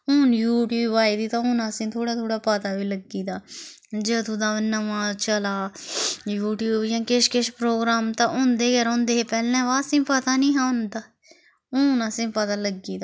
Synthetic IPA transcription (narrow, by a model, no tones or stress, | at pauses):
ʊːnjuːʈjuːbaːiːd̪iːt̪ãːɦʊnãːsɪ̃ːt̪ʰoːɽaːt̪ʰoːɽaːpət̪aːʋiːləɡiːd̪aː | d͡ʒəːt̪ũːd̪aːnəʋãːt͡ʃəlaːjuːʈjuːbjãːkɪʃkɪʃpɾoːɡɾaːmt̪ãːʔʊ̃nd̪eːkəɾ̃ːnd̪eːpɛːlnɛ̃ːʋaːsɪ̃ːpət̪aːnĩːɦãːʊ̃nd̪aː | ʊːnãːsɪ̃ːpət̪aːləɡiːd̪a